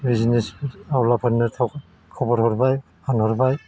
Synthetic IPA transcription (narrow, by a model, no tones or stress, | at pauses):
biznisawlapʰɔnːɛtʰɔk | kʰɔbɔɾhɔɾbaj | pʰanɦɔɹbaj